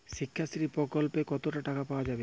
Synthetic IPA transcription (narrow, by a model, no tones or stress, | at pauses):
ʃikʰːast̪ɾipɾɔkɔlpekɔt̪oʈaʈakapaoad͡ʒabe